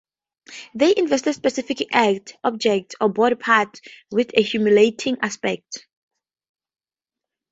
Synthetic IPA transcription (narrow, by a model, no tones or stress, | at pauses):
ðeʔĩnvɛstɛdspɛsifikʔak̚tɔb̚d͡ʒɛk̚tɔbɔd̚pʰatwiθehjumjuletʰĩŋʔaspɛk̚t